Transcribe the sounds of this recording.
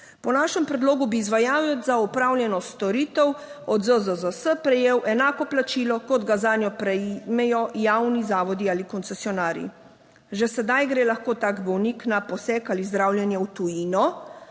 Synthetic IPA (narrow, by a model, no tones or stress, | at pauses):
pɔnaːʃɛmpɾɛd̪loːɡubiːzʋajaːwɛzaɔpɾaːwlʲjɛnɔst̪ɔɾiːt̪ɛwɔd̪zəzəzəsəpɾɛjeːwʔɛnaːkɔplat͡ʃiːlɔkɔd̪ɡazaːnjɔpɾɛmɛjɔjawnizaːʋɔd̪iaːlikɔnt̪sɛsiɔnaːɾjḭ | ʒɛsɛd̪ajɡɾeːlaxkoːt̪aːɡbɔwniknapɔsɛkalizd̪ɾawlʲjɛnjɛwt̪ujiːnɔ